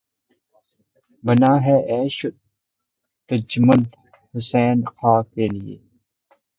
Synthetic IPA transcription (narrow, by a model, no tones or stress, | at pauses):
bɐnaːɦeʔeːɕu | t̪ɐd͡ʒmɐn | hʊseːnqʰaːkeːlijḛː